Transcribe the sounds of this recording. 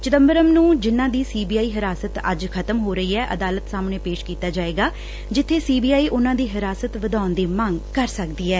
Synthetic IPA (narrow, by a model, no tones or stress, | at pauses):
t͡ʃɪt̪əmbəɾəmnũːd͡ʒɪnãːd̪iːsiːbiːaːiːɦɪɾaːsət̪ə̰d͡ʒkʰət̪əmɦoːɾəiːɛːʔə̰d̪aːlət̪saːmɳẽːpeːʃkiːt̪aːd͡ʒaːeːɡaː | d͡ʒɪt̪ʰːeːsiːbiːaːiːʔʊnãːd̪iːɦɪɾaːsət̪ʋəd̪aːnd̪eːmãŋɡkəɾsəkd̪iːɛː